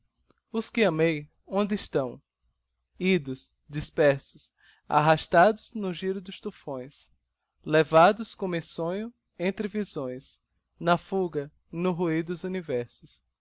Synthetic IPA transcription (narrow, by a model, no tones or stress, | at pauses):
ʊskɪɐ̃mej | õnd̪ɪɪʃt̪ɐ̃w̃ | id̪ʊs | d̪ispɛɾsʊs | a̰ɦaʃt̪ad̪ʊznʊʒiɾʊd̪ʊʃt̪ufõj̃s | levad̪ʊskõmẽsõɲʊ | ẽnt̪ɾɪvizõj̃s | nɐfuɡɐ | nʊɦuid̪ʊzunivɛɾsʊs